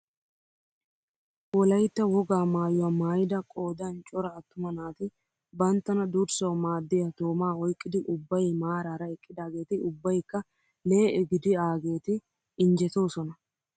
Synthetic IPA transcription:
wɔlɐjt̪ːɐwɔɡaːmaːjʊɐmaːjɪd̪ɐkʼo̞ːd̪ɐnt͡ʃʼɔɾɐːt̪ːʊmɐnaːt̪ɪ | bɐnt̪ːɐnɐd̪uɾsɐwmaːd̪ːɛjɐt̪o̞ːmaːɔjkʼːɪd̪ɪʔʊbːɐjmaːɾaːɾɐɛkʼːɪd̪aːɡe̞ːt̪ɪʊbːɐjkːɐ | leːɛɡɪd̪ɪaːɡe̞ːt̪ɪ | ɪnd͡ʒɛt̪o̞ːsɔnɐ

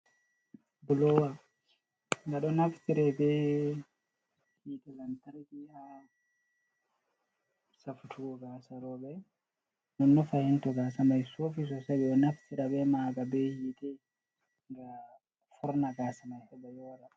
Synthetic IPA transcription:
bʊloːwa | ŋɡɐɗɔnɐftɪɾɛbeː | hiːt̪ɛlɐnt̪ɐɾkiha | sɐfʊt̪ʰuɔɡaːsɐɾoːbɛ | nɔnːɔfɐhɪnt̪ɔɡaːsɐmɐjsofɪs̬ɔsɐbɛɔnɐftɪɾɐbɛːmaːɡɐbeːhiːt̪ɛ | ŋɡa | fʊɾnɐɡaːsɐmɐjhɛbɐjoːɾɐ

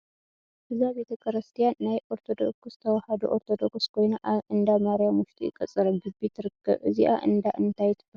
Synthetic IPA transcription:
dɨzabe̞t̪ʰɐkʼʰɨɾɨst̪ʰijanːajʔo̞ɾt̪ʰo̞d̪o̞ksz̥ɨ̥t̪ʰɐwɐhad̪uʔoɾt̪ʰo̞d̪o̞kskʰo̞jnaʔaʔɨnd̪amaɾjamuʃt̪ʰiḭkʼɐt͡sʼːɨɾɐmɡɨbit̪ʰɨɾɨkʰːɐ̰βʔɨziʔa̰ʔɨnd̪aʔɨnt̪ʰajɪt̪ʰɨ̥b̥ɐ

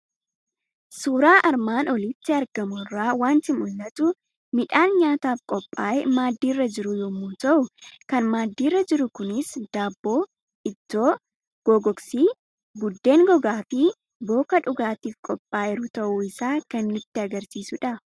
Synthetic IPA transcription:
suːɾaːʔɐɾmaːnɔlɪt̪ːɪɐɾɡɐmʊrːaːwaːnt̪ɪmʊlːɐt̪ʊ | mɪᶑaːnɲaːt̪aːfkʼɔpʼːaːjɛmaːd̪ːiːrːɐd͡ʒɪɾʊjɔːmuːt̪ɐʔʊkɐnmaːd̪ːiːrːɐd͡ʒɪɾʊkʊnɪsd̪̥aːbːoː | ʔɪt̪ːoː | ɡ̥oːɡɔksiː | ɡʊd̪ːe̞ːŋɡɔɡaːfɪ | bo̞ːkɐᶑʊɡaːt̪iːfkʼɔpʼːaːʔɪɾʊt̪ɐʔuːɪsaːkɐnmɪt̪ːɪɐɡɐɾsiːsʊᶑɐ

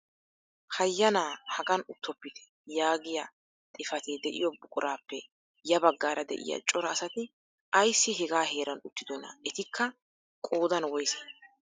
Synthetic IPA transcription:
hɐjːɐnaːhɐɡɐnʊt̪ːɔpːɪt̪ɛ̥ | jaːɡɪjɐ | t̪ʼɪfɐt̪eːd̪ɛʔɪ̰jɔbʊkʼʊɾʔaːpːɛ | jɐbɐɡːaːɾɐd̪ɛ̰ʔɪ̰jɐ̰t͡ʃʼɔɾɐːsɐt̪ɪ | ʔɐjsːɪɦɛɡaːɦe̞ːɾɐnʊt̪ːɪd̪ɔnɐ̰ɛt̪ɪkʰːɐ | kʼoːd̪ɐnwɔjsɐ̥

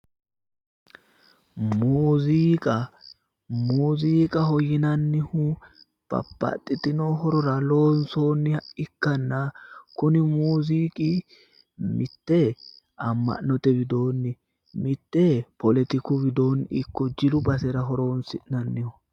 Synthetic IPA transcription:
muːziːkʼɐ | muːziːkʼɐɦɔjɪnɐnːɪhʊ | b̥ɐ̰pːɐ̰t̪ʼːɪt̪ɪnoɦɔɾɔɾɐloːnsoːnːɪɪkːɐnːɐkʊnɪmuːziːkʼɪ | mɪt̪ːɛ | ɐmːɐ̰ʔnːɔt̪ɛbɪd̪o̞ːnːɪ | mɪt̪ːɛpɔlɛt̪ɪkʊbɪd̪o̞ːnːɪkːɔd͡ʒɪlʊbɐsɛɾɐɦɔɾoːnsɪʔnɐnːɪhʊ

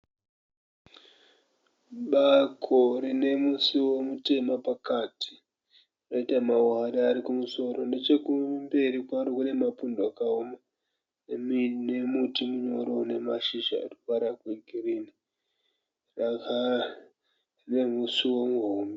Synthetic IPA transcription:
ɓakʰorine̞musiwo̞mute̞mapakati̥ | noitamauɦaɗaːɾikumuso̞ɾo̞nde̞t͡ʃe̞kumbe̞ɾikwaɾokune̞mapundoakaoma | nemne̞mutimuɲo̞ɾone̞maʃiʃa̰ːriukaɾakweɡʱirini | rakʰa | ne̞musiwo̞muɦoːmbe

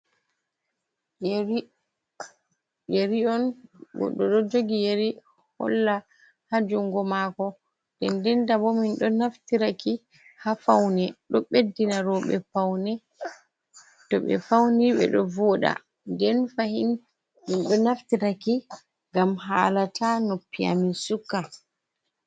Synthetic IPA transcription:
jeɾiɔnbɔ̰ɗɔɗɔd͡ʒoɡijeɾi | hɔ̰lːa | had͡ʒuŋɡɔmakɔ | ndɛndɛndabɔminɗɔnaftiɾaki | hafawnɛɗɔɓedːinaɾɔɓɛ̰fawnɛ | tɔɓɛ̰fawniɓɛ̰ɗɔvɔɗa̰ | ndɛnfahin | minɗɔnaftiɾaki | ŋɡamɦaːlatanopːia̰misukːa

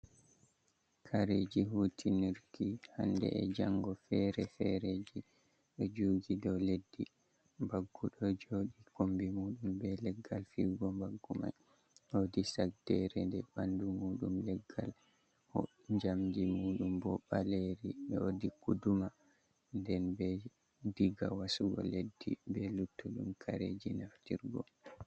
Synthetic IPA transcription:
kʰaɾed͡ʒiɦuːtʰiniɾkiha̰ndɛ̰ʔɛd͡ʒaŋɡɔfɛɾɛfɛɾed͡ʒi | ɗɔd͡ʒuːɡidɔledːi | mbaɡːuɗɔd͡ʒoɗikombimuːɗumbɛlɛɡːalfiɡɔmbaɡːuma̰j | hodisak̚dɛɾɛndɛɓandumuːɗumlɛɡːal | hɔ | ɲd͡ʒamdimuːɗumbɔɓaleɾiɓɛodikuduma | ndɛnbɛ | diɡa̰wasuɡɔ̰ledːḭbɛlutʰːuɗumkʰaɾḛd͡ʒinaftḭɾɡɔ

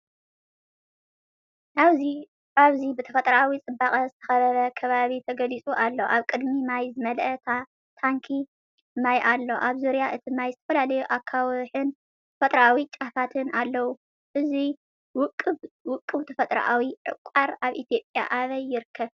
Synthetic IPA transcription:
ʔaβzi | aβzibɨt̪ʰɐ̥fɐt̪ʼɾɐʔawit͡sʼɨbaχʼɐzɨt̪ʰɐ̥xɐβɐɾɐkʰɐβaβit̪ʰɐɡɐlit͡sʼuʔalːoʔaβkʼɨd̪mimajzɨmɐlʔɐt̪ | t̪ʰaŋkʰi | majʔalːo̞ʔaβzuɾjaʔɨt̪ʰimajzɨt̪ʰɐ̥fɐlalɐjuʔakʰːawħɨn | t̪ʰɐfɐt̪ʼɾɐʔawit͡ʃʼafat̪ʰɨnalːɐwu | ʔɨzi | wkʼːɨwʊkʼːɨβt̪ʰɐfɐt̪ʼɾɐ̰ʔawiʕɨ̰kʷʼːaɾaβʔit̪ʰjo̞pʼja̰ʔaβɐjːɪɾɨkʰːɐβ

